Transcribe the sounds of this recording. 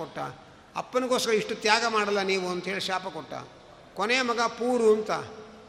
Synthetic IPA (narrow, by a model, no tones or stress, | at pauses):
ɔʈːa̰ | ɐ̰pːɐnɐɡoːskɐɾɐiʂʈut̪jaːɡɐmaːɽɐlːɐniːʋuɐnd̪ɦeːɭiʃaːpɐkɔʈːa̰ | kɔneːmɐɡɐpuːɾunt̪a̰